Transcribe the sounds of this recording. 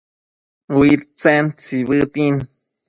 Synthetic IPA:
wiɾt͡sɛnt͡siβɨt̪in

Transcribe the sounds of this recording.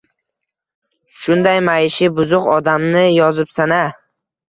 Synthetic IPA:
ʃʊnd̪ajmajɪʃɪbʊzʊqɒd̪amnɪjɒzɪpsana

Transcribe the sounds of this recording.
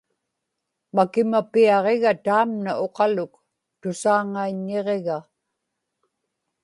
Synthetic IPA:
makɪmapiɑʁeɣat̪aːmnaʔo̞qɑlʊk | t̪ʊsaːŋaiɲːeʁe̞ɣa

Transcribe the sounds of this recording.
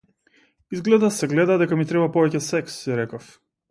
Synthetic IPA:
izɡlɛd̪asɛɡlɛd̪ad̪ɛkamit̪ɾɛbapɔvɛcɛsɛksɛɾɛkɔf

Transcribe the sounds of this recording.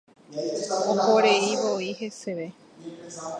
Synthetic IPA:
kooɾeiβoihe̞seʋe

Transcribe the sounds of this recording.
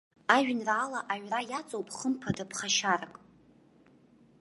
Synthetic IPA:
aʒᶣnraːlaʔaɥrajat͡sʼowpʼχəmpʰadapʰχaʃarakʼ

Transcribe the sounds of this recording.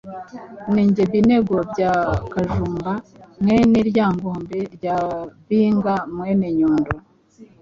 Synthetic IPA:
niːɲɟeβine̞ɡo̞bɟaːkaʒuːmbamŋeneɾjaːŋɡoːmbe̞ɾɟaːβiːŋɡamweneɲoːndo

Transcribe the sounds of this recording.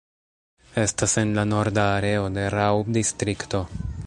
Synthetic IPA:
e̞stase̞nlano̞ɾdaːɾe̞ode̞ɾawdistɾikto

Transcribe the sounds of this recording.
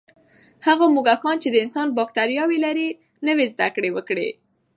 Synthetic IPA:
haɣamuɡakɑnt͡ʃed̪əɪnsɑnbɑkt̪aɾjɑwelaɾi | nəwezd̪akɽewəkɽḛ

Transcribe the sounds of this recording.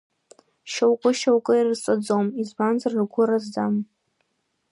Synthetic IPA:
ʃowkʷʼʊʃowkʷʼɨirt͡sʼad͡zomizbanzarɨrɡʷʊɾazdam

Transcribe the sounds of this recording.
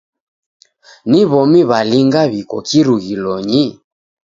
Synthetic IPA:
niβɔmiβaliŋɡaβikɔkiɾuɣilɔɲi

